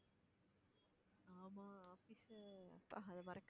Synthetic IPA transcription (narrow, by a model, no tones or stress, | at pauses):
aːmaːaːfisɐ̰pːa̰ɐðɐmɐɾɐkː